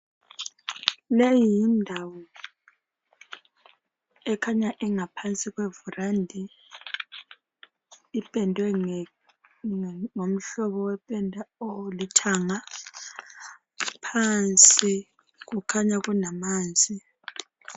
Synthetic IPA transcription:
lejijjindʱawɔ | ɛkʰaɲaʔɛŋapʰant͡sʼiɣwɛvurandʱi | pʼɛndʱwɛ | ŋom̩ɬɔβɔwɛpʼɛndʱaolitʰaŋa | pʰant͡sʼi | ɣukʰaɲaɣunamaːnd͡zʱi

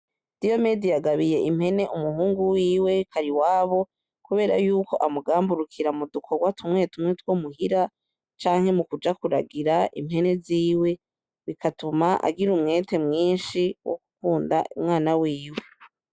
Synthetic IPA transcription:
d̥io̞medijaɡaβije̞ʔimhe̞ne̞ʔumuɦuːŋɡuwiːwe̞kʰaɾiwaːβo̞ | kuβe̞ːɾa̰juːko̞ʔamuɡaːmbuɾukʰiɾamudukʰoɡwatʰumŋe̞tumŋetwo̞muhiɾa | t͡ʃaːŋ̥he̞mukud͡ʒakuɾa̰ɡiɾaʔḭmhe̞ne̞ziːwe̞ | βikʰatumaʔa̰ɡiɾumŋe̞ːte̞mŋiːnʃiwʔo̰ku̥kuːnda̰umŋaːnawiːwe̞

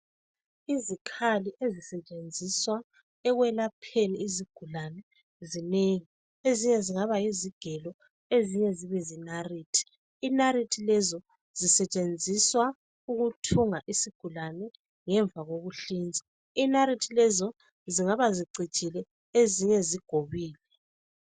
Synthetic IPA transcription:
izikʰaliʔezisɛt͡ʃʼend͡zʱiswa | ɛɣwɛlapʰeniːziɡ̥ʱulanɛ | zineŋi | eziɲɛziŋaβajiziɡ̥ʱɛlɔ | eziɲɛziβɛzinariːtʰi̥ː | naritʰilɛzɔ | z̥isɛt͡ʃʼend͡zʱiswa | uɣutʰuŋaʔisiɡ̥ʱulanɛ | ŋɛɱb̪vʱaɣoɣuɬiːnd͡zʱi | inaɾitʰilɛzɔ | ziŋaβaziǀʱi̥t͡ʃʼilɛ | eziɲɛziɡ̥ʱoβiːlɛ

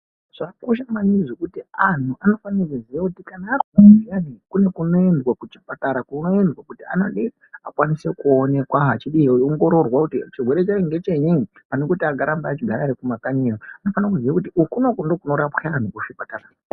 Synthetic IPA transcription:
ʐ̥akoʃamaniʐokutian̤uʔano̞fanaakuziʋakutikanaːriuijanikune̞kuno̞endwakut͡ʃi̥pataɾakuno̞endwakutia̰naɗe | akwanise̞kuone̞kwaɦat͡ʃiɗioŋɡo̞ɾo̞rwakutit͡ʃirwe̞ɾet͡ʃaiŋɡe̞t͡ʃeɲi | anokutiakaɾambaːt͡ʃiɡʱaɾaɾekumakaɲejoano̞fanak̬uziʋakut̬iʔukunokundo̞kuno̞ɾapxean̤ukuʃipatara

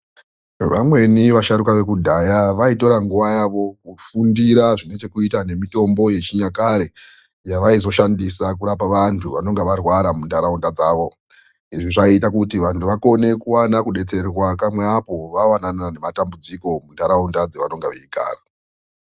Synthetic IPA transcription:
ʋamwe̞niʋaʃaɾukaʋe̞k̬udʱajaʋaito̞ɾaŋɡuʋajaʋo̞kufundiɾaʐine̞t͡ʃe̞kuitane̞mito̞mbo̞je̞t͡ʃiɲakaɾe | jaʋaizo̞ʃandisak̬uɾapaʋantʰuʋa̰no̞ŋɡeʋarwaɾamundaɾaundad͡zaːʋo̞ | iʐiʐaitakutiʋantʰuʋako̞ne̞kuwanakuɗe̞t͡se̞rwakamweapo̞ʋawananane̞matambud͡ziko̞mundaɾaundad͡zeʋano̞ŋɡeʋeiɡa̰ːra

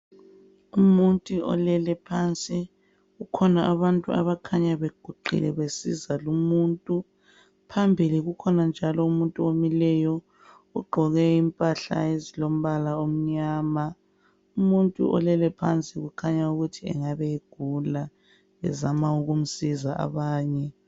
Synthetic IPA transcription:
umuntʼuɔ̰lɛlɛpʰant͡sʼi | ɣukʰɔnaʔaβantʼṵa̰βakʰaɲaβeɡ̥ʱuɡ͡ǃʱḭlɛβesizalumuntʼu | pʰambʱiliɣukʰɔnand͡ʒʱalɔumuntʼuomilɛjɔ | uɡ͡ǃʱɔɣɛimpʼaɬa̰ezilom̩βalaom̩ɲaːma | umuntʼṵʔɔ̰lɛlɛpʰant͡sʼiɣukʰaɲauɣutʰiɛ̰ŋaβɛiɡ̥ʱula | ɛ̰zamauɣum̩sizaʔa̰βaːɲɛ

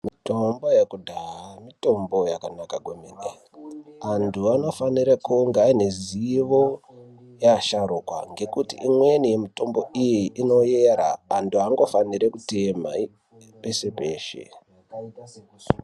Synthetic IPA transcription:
mito̞mbojekudʱaɦamito̞mbo̞jakanakaɡʱwemene | antʰuano̞faniɾekuŋɡaineziʋo̞ | jaʃaɾukwa̰ŋɡe̞kutḭʔimwenijemito̞mbo̞ijiʔino̞jeɾa̰ːntʰuaŋɡo̞faniɾekutema̰i | pese̞pe̞ːʃḛ

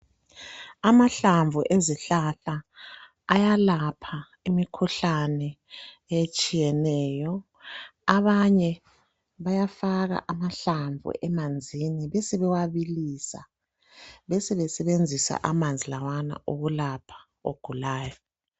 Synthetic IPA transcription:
amaɬaɱvʱuʔeziɬaɬaː | jalapʰa | imikʰuɬanɛ | et͡ʃʼijɛnɛːjɔ | aβaɲɛ | βajafaɣa̰ʔamaɬaɱvʱṵʔɛmand͡zʱiniβɛsɛβɛwaβiliːsa | βɛsɛβɛsɛβend͡zʱisa̰ʔamand͡zʱilawana̰ʔoɣulapʰḁ | o̰ɡ̥ʱulaːjɔ

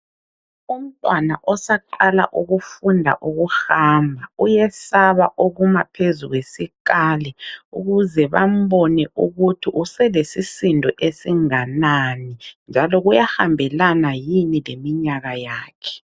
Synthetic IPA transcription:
um̩tʼwanaʔɔsaǃala̰ʔuɣufundʱa̰ʔuɣuhaːmbʱaujɛsaβaʔoɣumapʰezuɣwesikaːlɛuɣuzɛβam̩bɔnɛʔuɣutʰiʔusɛlesisindʱɔʔesiŋananind͡ʒʱalɔɣujahambʱɛlanajinilemiɲaɣajaːkʰɛ̥

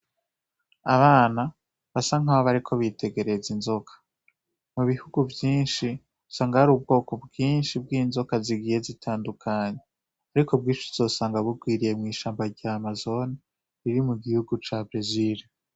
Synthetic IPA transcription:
aβaːna | βasaŋ̥aβoβaɾikʰo̞βite̞ɡe̞ɾe̞zinzo̞kʰḁ | muβihuɡuvjiːnʃi | usaːŋɡaaɾuːb̚ɡo̞ːko̞bɡiːnʃib̚ɡiːnzo̞kaziɡije̞zitʰaːndukʰaɲe̞ | aɾikʰo̞b̚ɡiːnʃuz̥o̞saːŋɡaβuɡwiːɾije̞mŋiːʃaːmbaɾɟaːmazo̞na | ɾiɾimuɡihuɡut͡ʃabɾeziɾi

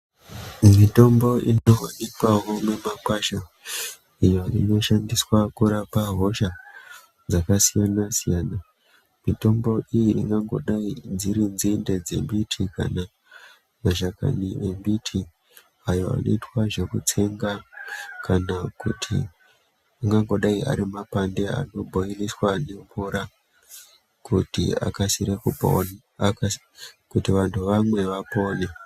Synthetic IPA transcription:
mito̞mbo̞ʔinowa̰nikaɦo̞me̞makwaʃa | ijoḭno̞ʃandiswakuɾapaɦo̞ʃa | d͡zakasijanasijaːna | mito̞mbo̞ijiʔiŋɡaŋɡo̞̰ɗaid͡ziɾinzinde̞d͡ze̞mbitʰika̰na | maʒaka̰nie̞mbitʰi | ajo̞a̰no̞̰itwaʐe̞kut͡se̞ŋɡakanakutʰḭ | aŋɡaŋɡo̞ɗaia̰ɾimapande̞a̰no̞bʱo̞iniswane̞ɱvuɾa | kutḭa̰kasiɾekupo̰n | kutiʋantʰuʋamwe̞ʋapo̞ːɲa

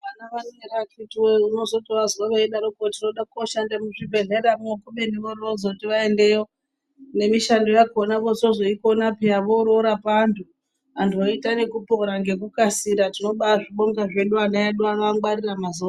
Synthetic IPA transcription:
ʋanaʋaneerakitweuno̞zo̞toʋazuwaʋaeɗaɾokotino̞ɗakoʃandamuʐibʱe̞ɮe̞ɾamuokuɓe̞niʋoriozotiʋaende̞jo̞ | ne̞miʃando̞jakonaʋozozo̞ikonapiaʋoɾoɾapantʰu | antʰuoitane̞kupoɾaŋɡe̞k̬ukasiɾatino̞ɓaʐiɓoŋɡaʐe̞ɗuanajaɗuakaŋɡwariramazua

